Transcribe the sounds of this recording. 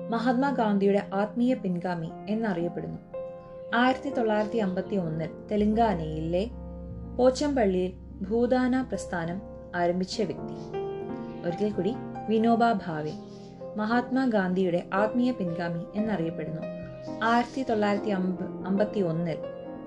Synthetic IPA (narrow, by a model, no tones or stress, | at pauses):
mɐɦaːt̪̚maːɡaːnd̪ʱijuɽe̞ʔaːt̪miːjɐpinɡaːmie̞nːɐrijɐpːe̞ɽunːu | aːjiɾɐt̪ːit̪o̞ɭːaːjiɾɐt̪ːiɐmbɐt̪ːio̞nːilt̪eliŋɡaːnɐjilːe | po̞ːt͡ɕːɐmpɐɭːil | bʱuːd̪aːnaːprɐst̪ʰaːnɐm | aːɾɐmbʱit͡ɕːɐʋjɐk̚t̪i | oɾikːelkuːɽiʋinoːbaːbʱaːʋe | mɐɦaːt̪maːɡaːnd̪ʱijuɽe̞ʔaːt̪miːjɐpinɡaːmie̞nːɐrijɐpːe̞ɽunːu | aːjiɾɐt̪ːit̪o̞ɭːaːjiɾɐt̪ːiɐɐmbɐt̪ːio̞nːil